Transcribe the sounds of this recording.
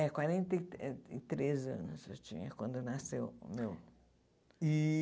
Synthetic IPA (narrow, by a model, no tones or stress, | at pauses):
ɛkwaɾẽnt̪ɐiɛɪt̪ɾezɐ̰̃nʊsewt͡ʃḭ̃ɲɐ̰kwɐ̃nd̪ʊnasewmew | i